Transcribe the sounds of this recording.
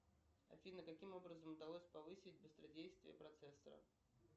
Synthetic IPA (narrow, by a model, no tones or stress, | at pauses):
ɐ̰fʲinəkɐkʲimo̞bɾəzəmʊd̪ɐlˠosʲpɐvɨsʲɪtʲbɨst̪ɾɐdʲejst̪vʲɪ̰jə̰pɾɐt̪sɛsːə̰ɾə̰